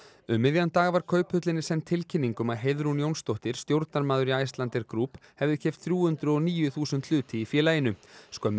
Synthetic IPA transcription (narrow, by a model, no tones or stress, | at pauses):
ʏmːɪðjant̪aːɣvaɾ̥kʰœɥphʏt̪lɪnɪsɛnt̪ʰːɪlcʰɪnːiŋkʏmaðɦejðɾunjownst̪owht̪ɪɾ̥st̪jowɾt̪naɾmaːðʏɾiajst̪lant̪ɛɾkɾuːphɛvðɪçʰɛjft̪θɾjuːhʏnt̪ɾʏɔɣniːjʏθuːsʏnt̪ʰl̥ʏːt̪ɪifjɛːlajɪnʏskœmː